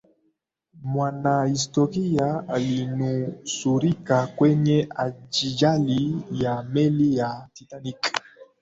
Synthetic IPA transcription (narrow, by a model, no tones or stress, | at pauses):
mwanaistɔʁijaalinusuɾikakwɛɲɛad͡ʒid͡ʒalijamɛlijatitanik